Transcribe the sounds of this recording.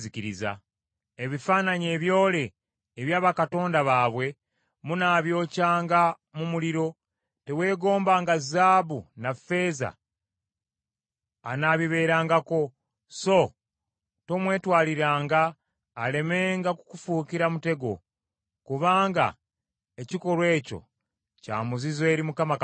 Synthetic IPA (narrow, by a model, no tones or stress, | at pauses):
ziciɾiza̰ | eβifaːnaɲe̞ːβjo̞ːle̞ː | βjaːβakato̞ːndaβaːβwe̞ | munaːβjo̞ːcaːŋɡa | mumuliɾo̞ | te̞we̞ːɡo̞ːmbaːŋɡazaːβunafe̞ːza̰ | naβiβe̞ːɾaːŋɡako̞ | so̞ | to̞mwe̞ːtwaːliɾaːŋɡaː | le̞me̞ːŋɡakukufuːkiɾamute̞ɡo̞̰ | kuβaːŋɡa̰ | e̞ciko̞ɾwe̞ːco̞̰ | ca̰ːmuzizwe̞ːɾimukama